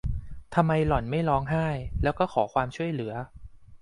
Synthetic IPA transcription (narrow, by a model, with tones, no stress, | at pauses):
t̪ʰa˧mːa˧jlɔ˨˩nma˥˩jɾɔː˦˥ŋɦaː˥˩jlɛː˦˥wkɔː˥˩xʰɔː˩˦kʰwaː˧mt͡ɕʰu˥˩əjlɯ˩˦ɐ